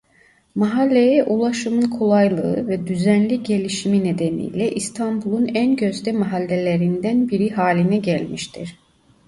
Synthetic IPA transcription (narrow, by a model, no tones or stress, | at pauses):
maɦalʲːejɛʔulˠaʃɯmɯnkʰo̞lˠajlˠɯɯ̰vɛd̪yzænlʲiɟe̞lʲiʃimined̪enḭjlʲɛʔist̪ʰambulˠunænɟøzd̪ɛmaɦalʲːelʲe̞ɾind̪ænbiɾiɦaːlʲinɛɟælʲmiʃt̪ʰiɾ̥